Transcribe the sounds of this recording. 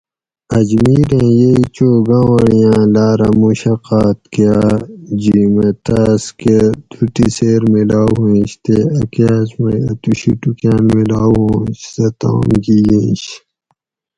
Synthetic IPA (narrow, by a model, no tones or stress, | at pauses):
ɐd͡ʑmiːɾẽjeit͡ɕoːɡãːwɐɽijãːlaːɾɐmuɕɐqaːt̪kijad͡ʑimet̪aːsked̪ʰuʈiseːɾmilaːɦẽːɕt̪eɐkaːsmet̪uɕiʈukãːnmilaːwõːɕsɐt̪ã̰ːmɡijẽːɕ